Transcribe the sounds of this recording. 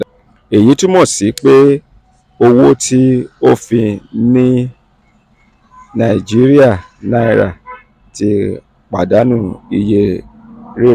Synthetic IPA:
e˨ji˨˦ti˦mɔ̃˦˨si˨˦k͡pe˦ | o˧wo˦tʰi˦o˦fĩ˧nĩ˦ | nã˨i˨d͡ʒi˨˦ɾi˦a˦˨ | nã˦i˧ɾa̰˨ | ti˧˦ | k͡pa˨da˨˦nũ˦˨i˧je˦ | ɾi˦˨

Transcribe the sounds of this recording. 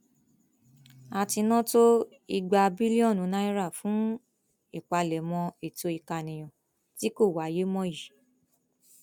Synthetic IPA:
a˧ti˧nɔ̃˦to˦ | i˧ɡ͡ba˧bi˦li˦ɔ̃˦˨nũ˨˦nã˦i˦ɾa˦˨fũ˨˦ | i˦˨k͡pa˧lɛ˨mɔ̃˧e˨to˧˦i˧ka˧nĩ˨j̃ɔ̃˨ | ti˦ko˦˨wa˨˦je˦mɔ̃˦ji˨

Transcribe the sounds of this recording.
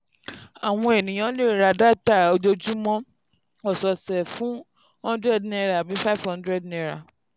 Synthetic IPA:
a˨w̃ɔ̃˧e˨nĩ˨j̃ã˨˦le˦˨ɾa˧da˦ta˦˨o˧d͡ʒo˧d͡ʒu˦mɔ̃˦ | ɔ˨sɔ˨sɛ˨fũ˨˦ | hɔ̃˦ndɾɛ˦˨dnĩ˦ɛ˧ɾa˨bi˨˦fa˦fhɔ̃˦dɾɛ˦˨dnĩɛ˧˦ɾa˨

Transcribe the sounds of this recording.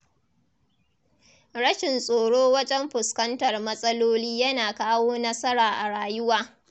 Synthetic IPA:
ɽɐ˦ʃɪ˨nsʼoː˨ɽoː˦wɐ˦d͡ʒɛ˦mɸʊ˨skɐ˦ntɐ˨rmɐ˦sʼɐ˦loː˦liː˦jɐ˦naː˨kaː˦woː˦nɐ˦sɐ˦ɾaː˨ʔa˨ɽaː˨jʊ˦waː˦

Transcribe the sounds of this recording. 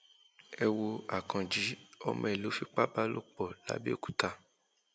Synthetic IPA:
ɛ˨wo˧a˨kʰã˨d͡ʒi˨˦ɔ˧mɔ̃˧ɛ˨lo˨˦fi˦k͡pa˦ba˦lo̰˦˨k͡pɔ˨la̰˨˦bi˦o˦˨ku̥˨ta˧˨

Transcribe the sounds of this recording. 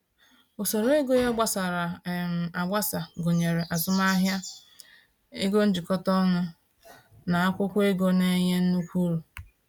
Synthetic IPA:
o˨so˨ɾo˦e˦ɡo˦jɔ˦ɡ͡ba˦sa˨ɾa˨m˨a˨ɡ͡ba˦sa˨ɡo˨ɲe˨ɾe˨ʔa˨zʊ˦m˦a˦ɦja˦ | e˦ɡo˦n̩˦d͡ʒi˨kɔ˦tɔ˦nʊ˦ | na˨a˦kʷʊ˦kʷʊ˦e˦ɡo˦ne˦ɲe˦n̩˦nu˦kʷu˦ɾu˨

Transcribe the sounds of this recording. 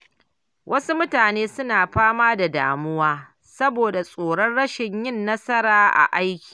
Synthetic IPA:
wʔɐ˦su˦mʊ˦taː˨neː˦sʊ˦naː˨ɸaː˦maː˦da˨da̰ː˨mʊ˦waː˦ | sɐ˦boː˨da˨sʼoː˨ɽɐ˦nɽɐ˦ʃɪ˨ɲjɪ˦nːɐ˦sɐ˦ɾaː˦ʔa̰˨ʔa˦jkʲi̥ː˨

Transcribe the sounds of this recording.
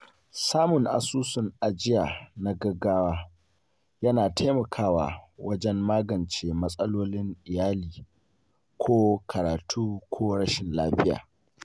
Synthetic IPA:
saː˦mʊ˨ŋʔa̰˨suː˦sʊ˨ŋʔa˨d͡ʒɪ˦ja˨na˦ɡɐ˦ɡaː˦waː˦ | jɐ˦naː˨tʰa˦jmɐ˨kʰaː˦wa̰ː˨wɐ˦d͡ʒɛ˦mːaː˦ɡɐ˨nt͡ʃeː˨mɐ˦sʼɐ˦loː˦lɪ˦ŋʔɪ˨jaː˦liː˨ | kʷʰoː˦kʰɐ˨ɾaː˨tʰuː˦kʷʰoː˦ɽɐ˦ʃɪ˨nlaː˦ɸɪ˦ja̰ː˨

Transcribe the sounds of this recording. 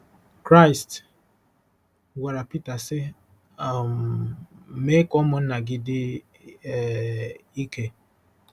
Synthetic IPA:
kɾa˦ɪ˨st | wa˨ɾa˨pi˦ta˨sɪ˦ | a˨m˦ | me˦kɔ˦mʊ˨n̩˦na˨ɡɪ˨dɪ˦˨ | i˦ke˦

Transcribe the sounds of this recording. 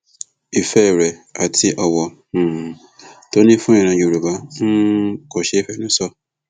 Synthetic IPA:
i˨fɛ˦ɾɛ˨a˨tʰi˧˦ʔɔ˧wɔ̃˧˨ | to˨˦nĩ˦fũ˦ĩ˨ɾ̃ã˧jo˨ɾu˨ba˨˦ko˨ʃe˦i˦fɛ˨nĩ˨˦sɔ˦˨

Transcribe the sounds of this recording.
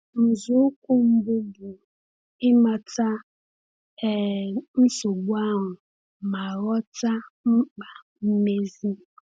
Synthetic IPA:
n̩˨zʊ˦kʷʊ˦m̩˦bʊ˦bʊ˨ | ɪ˦ma˨ta˦ | ɛ˨n̩˦so˨ɡ͡ba˦ɦʊ˨ | ma˨ɾɔ˦ta˦ŋ͡m̩˦k͡pa˨ | m̩˦me˦zi˦

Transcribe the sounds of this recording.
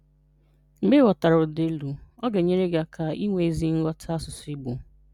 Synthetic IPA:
ŋ͡m̩˨˦ɡ͡be˦wɔ˨ta˨ɾʊ˨ʊ˨de˦lu˨ɔ˦ɡe˨ɲe˦ɾe˦ɡa˨kʰa˨i˦ŋʷe˨˦zi˦ŋ̩˦lɔ˦tʰa˦sʊ˨si˦ɡ͡bu˨

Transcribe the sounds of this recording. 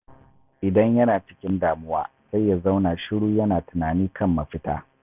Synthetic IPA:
ʔɪ˨dɐ˦ɲjɐ˦naː˨t͡ʃɪ̥˦kʲɪ˦ndaː˨mʊ˦waː˦ | sa˦jːa˨za˦wnaː˨ʃɪ˦ɽuː˦jɐ˦naː˨tʊ˨naː˨niː˦kʰɐ˦mːɐ˨ɸɪ˦ta̰ː˦

